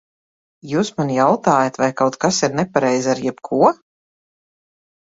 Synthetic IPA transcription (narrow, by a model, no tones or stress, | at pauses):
juːsmanjawt̪aːjat̪vajkawt̪kasiɾnɛpaɾɛjzʲaɾjɛpkʰuɔ